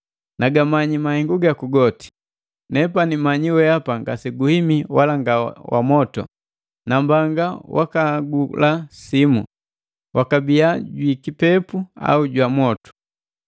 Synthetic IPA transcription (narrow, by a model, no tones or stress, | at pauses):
naɡamaɲimahɛŋɡuɡakuɡɔti̥ | nɛpanimaɲiwɛapaŋɡasiɡuhimiwalaŋɡawa̰mɔtɔ̰ | nambaŋɡawa̰kaɡulasimu | wʔakabiaɟwikipɛpua̰uɟwamɔtu̥